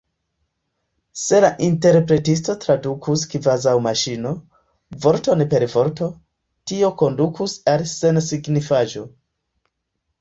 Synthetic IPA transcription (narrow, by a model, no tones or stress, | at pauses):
se̞laʔinte̞ɾpɾe̞tis̬to̞tɾadukʰuskvazawmaʃino̞ | vo̞ɾto̞npe̞ɾvo̞ɾto̞ | tio̞ko̞ndukʰusalse̞nsiɡnifad͡ʒo̞